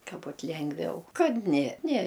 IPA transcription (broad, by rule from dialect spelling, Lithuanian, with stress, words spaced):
ˈkɐ ˈbʊt ˈlʲɛŋɡʋʲɛʊ ˈkɐt nʲɛ nʲɛ